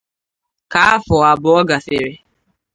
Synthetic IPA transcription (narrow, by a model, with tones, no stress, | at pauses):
ka˦a˦fɔ˨a˨bʊ˨ɔ˦ɡa˨fe˨ɾe˨